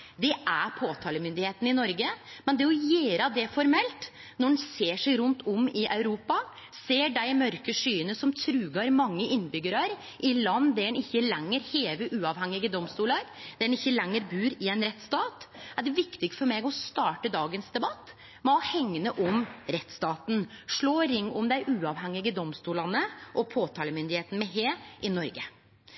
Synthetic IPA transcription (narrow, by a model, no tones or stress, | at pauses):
d̪ɛʔæɾpʰoːt̪ʰɑːləmʏnd̪ɪheːt̪n̩ɪnɔɾɡəmɛnd̪ɛɔjeːɾɑd̪ɛfɔɾmɛlt̪ | nɔɖɛn̩seːʂæɪɾʊnt̪ʰɔmɪʔɑʉɾuːpɑ | seːɖæɪmœɾkəʂyːənəsɔmt̪ʰɾʉːɡɑɾmɑŋːəʔɪnːbʏɡəɾɑɾ | ʔɪlɑnːd̪æɖɛnɪçːəlɛŋːəɾheːʋəʔʉːɑʋhɛŋːɪɡəd̪ɔmst̪uːlɑɾd̪̥æɖɛnɪçːəlɛŋːəɾbʉːɾɪɛɪnɾɛt̪ːst̪ɑːt̪æɖɛʋɪkt̪ɪɡ̪fɔɾmɛɡɔst̪ɑːʈəd̪ɑːɡənsd̪ɛbɑt̪ː | mɛɔhɛŋːənəʔɔmɾɛt̪st̪ɑːt̪n̩ʂɭoːɾɪŋːɔmd̪æɪʔʉːɑʋhɛŋːɪɡəd̪ɔmst̪uːlɑnəʔɔpʰoːt̪ʰɑːləmʏnd̪ɪheːt̪n̩mɛɦeːʔɪnɔɾɡə